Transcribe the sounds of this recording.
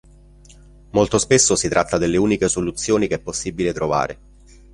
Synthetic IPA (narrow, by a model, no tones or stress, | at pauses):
molt̪ospesːosit̪ɾʔat̪ːad̪elːeuːnikesolut̪sːjoːnikeɛpːosːibilet̪ɾova̰ːɾḛ